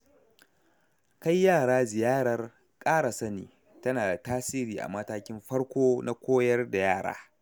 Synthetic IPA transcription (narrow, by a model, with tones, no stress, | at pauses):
ka˦jːaː˦˨ɽaː˦zɪ˨jaː˦ɽɐ˦r | kʼaː˦ɽa˨sɐ˦nḭː˨ | tɐ˦naː˨da˨taː˦siː˦ɾiː˨ʔa̰˨mɐ˦taː˦kʲɪ˦mɸɐ˦ɽkʷoː˦na˦kʷoː˦jɐ˦rda˨jaː˦˨ɽa̰ː˦